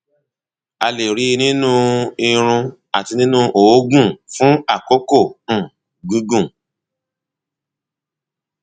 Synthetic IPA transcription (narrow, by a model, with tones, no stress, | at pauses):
a˧le˨ɾi˨˧˦nĩ˦nũ˦i˧ɾ̃ũ˧ | a˨ti˧nĩ˦nũ˦ʔo˨˦ɡũ˦˨fũ˦a˦˨ko˦kõ˦˨ | ɡũ˨˦ɡũ˦˨